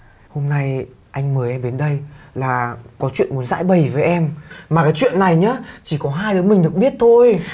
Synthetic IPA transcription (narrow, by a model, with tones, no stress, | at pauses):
ho˧mna˧j | ʔa˧jŋ̟məː˨˦jʔɛ˧mɓe˨˦nɗə˧jlaː˨˩kɔ˨˦t͡ɕwḭ˧˨ənmu˨˦ənza̰ː˧˥jɓə˨˩jvəː˨˦jʔɛ˧mmaː˨˩kaː˨˦jt͡ɕwḭ˧˨ənːa˨˩jɲəː˨˦t͡ɕi˧˩kɔ˨˦ɦaː˧jɗɨ˨˦mï˨˩ŋ̟ɗɨ˨˩ək̚ɓi˦˥ət̚t̪ʰo˧j